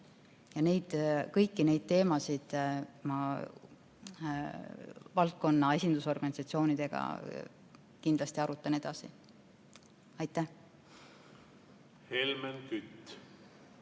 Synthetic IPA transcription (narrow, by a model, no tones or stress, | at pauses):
jɑne̞jd̪̥kɤjkːine̞jd̪̥̚t̪e̞ːmɑsid̪̥mɑ | vɑlt̪̚ko̞nːɑe̞sʲind̪̥uso̞rɡ̥ɑnʲisɑt̪sio̞ːnid̪̥e̞ɡ̥ɑ̰ | kind̪̥lɑst̪iɑɾut̪ːˑɑne̞d̪̥ɑsi | ɑjt̪ːˑæh | helmenkyt̪ː